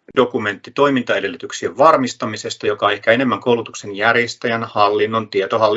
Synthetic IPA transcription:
do̞kume̞nt̪ːit̪o̞imint̪ɑede̞lːyt̪yksieʋʋɑrmist̪ɑmise̞st̪ɑjo̞kɑehkæe̞ne̞mːæŋkoulut̪ukse̞njærjest̪æjænhɑlːinːo̞nt̪iet̪oɦɑlː

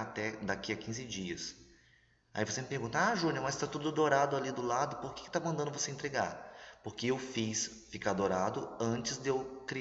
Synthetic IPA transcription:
at̪ɛd̪akiɐkĩzɪd͡ʒiɐs | a̰ivosemɪpehɡũnt̪ɐaʒũnɐmɐzt̪at̪ud̪ʊd̪oɾad̪ʊalid̪ʊlad̪ʊpoɾke̥kɪ̥t̪amɐ̃nd̪ɐ̃ndʊvoseẽnt̪ɾeɡa̰ɾpoɾkɪewfis | fikad̪oɾad̪ʊɐ̃nt͡ʃɪzd̪ewkɾi

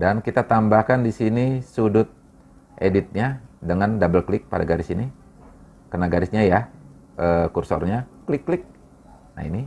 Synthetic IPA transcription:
dankit̪at̪ambahkandisinisudʊt̪̚ | ʔedit̪̚ɲadəŋandabəlklɪk̚pa̰daɡaɾɪsini | kənaɡaɾɪsɲajaʔəːkursɔ̰rɲaklɪkːlɪk̚ | na̰ḭni

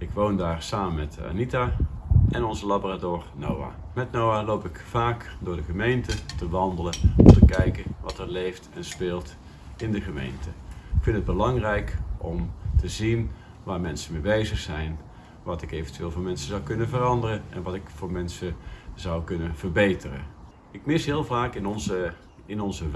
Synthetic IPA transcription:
ɪkʋowndaːrsaːmənmɛta̰nitaʔɛnɔnzəlaboːratoːɹno̰wa̰ː | mɛtnowalowpɪkfaːkdʊːɹdəχəmejntətəʋɑndələɔmtəkɛjkənʋɑtɛɹlejftɛnspeːlˠt | ɪndəχəmḛjntəɪkfɪntəd̚bəlɑŋrɛjkʔɔmtəzin | ʋaːɹmɛnsəmejbejzəχsɛjn | ʋɑtɪkejvəntyʋɪːlˠvoːɹmɛnsəzɑwkɵnəvərɑndərəɛ̰nʋɑtɪkfʊːɹmɛnsəzɑwkɵnəv̥ərbejtərə̰ | ɪkmɪsɦɪːlˠvaːkɪnɔnzə | ɪnɔnzə

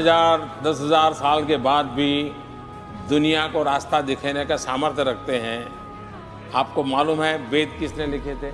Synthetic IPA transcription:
zaːɾd̪ɐsɦɐzaːɾsaːlkebaːd̪̚bʱi | d̪ʊnijakoɾaːst̪ʰad̪ɪkʰenekasaːməɾt̪ʰjəɾɐkʰt̪eɦɛ̃ | aːp̚komaːluːmɦɛbeːd̪̚kɪsnelɪkʰet̪ʰeː

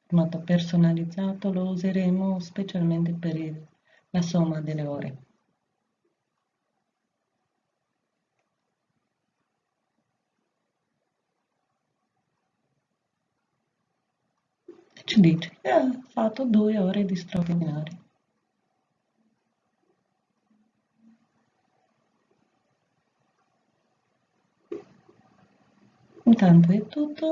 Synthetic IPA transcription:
mɔt̪opersonalid̪zːaːt̪olouzeɾemospet͡ʃalment̪epeɾ | lasomːad̪elːeoːɾʔḛ | t͡ʃid̪iːt͡ʃe̥keafat̪ːod̪uːeɔːɾed̪ist̪ɾavinaːɾjo | unt̪ant̪̬oɛt̪ːut̪ːo

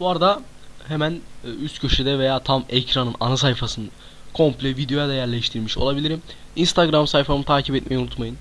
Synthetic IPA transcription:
b̥uaɾad̪a | hemænːyst̪cʰøʃed̪ɛve̞jaːt̪ʰamɛcɾanɯna̰nas̬ajfasɯnɯ | kʰo̞mplʲɛvid̪ejojad̪ajæɾlʲɛʃt̪ʰiɾmiʃo̞̰lˠabilʲiɾiminst̪ʰaɡɾamsajfamɯt̪ʰaːcʰipɛt̪̚mʔejunut̪majɯn

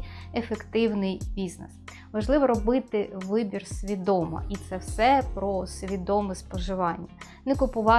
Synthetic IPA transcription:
efekt̪ɪwnɪjbʲiznɛs | ʋɐʒlˠɪʋɔɾɔbɪt̪ɪʋɪbʲirsʲʋʲid̪ɔmɐ̰ʔit̪sɛwsɛpɾɔsʲʋʲid̪ɔmɪspɔʒɪʋɑnʲːɐ | nɛkʊpʊʋɑ

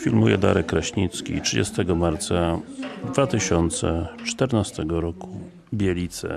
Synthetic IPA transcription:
fʲilmujɛ̰d̪aɾɛkːɾaɕɲit̪skʲḭtʂɘd͡ʑɛ̰st̪ɛɡɔmaɾt̪sad̪vat̪ɘɕɔnt̪sɛ̰t͡ʂt̪ɛɾnast̪ɛɡɔɾɔku | bʲjɛlʲit̪sɛ̰

